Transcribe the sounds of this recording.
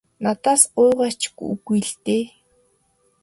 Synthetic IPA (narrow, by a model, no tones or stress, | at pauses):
nat̪aːsʊjʁaːt͡ɕkṵɣijɮt̪eː